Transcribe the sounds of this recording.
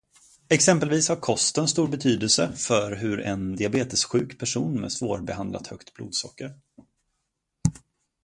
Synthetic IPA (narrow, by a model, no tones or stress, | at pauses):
ɛksɛmpəlviːshaɾkʰɔst̪ənst̪uːɾbɛt̪ʰyːd̪əlsəfœɾɦɵɾɛnd̪ɪabeːt̪əsɧʉ̟ːkpʰæʂuːnmɛ̰svoːɾbɛɦand̪la̰t̪hœkt̪blṵːd̪sɔkːəɾ